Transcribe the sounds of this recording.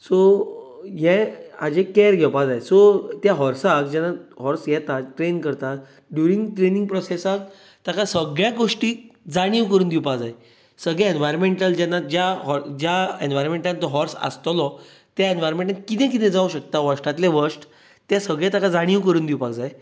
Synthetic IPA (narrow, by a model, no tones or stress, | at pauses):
so | jɛad͡ʑekɛɾɡʱɛpad͡zaesɔt̪jaɦɔɾsak̚d͡ʑɛnːaɦɔɾsjɛt̪at̪ʈɾenkəɾt̪at̪ | ɖjuɾiŋɡʈɾeniŋɡ̚pɾɔsesak̚ | t̪akasəɡɭjãɡoʂʈiːd͡zaɽ̃iʋkəɾuːnd̪iwpakd͡zae | səɡɭɛenʋajɾmeɳʈəld͡ʑɛnːad͡ʑjaɦɔɾd͡ʑjaenʋajɾɔnmẽɳʈant̪ɔɦɔɾsə̰st̪lɔ | t̪jaenʋajɾmẽɳʈnakit̪ɛ̃k̬it̪ɛ̃d͡zauɕək̚t̪aʋəʂʈat̪leʋəɾʂʈ | t̪jasəɡɭjat̪akad͡zaɽ̃iʋkəɾuːnd̪iwpakd͡zae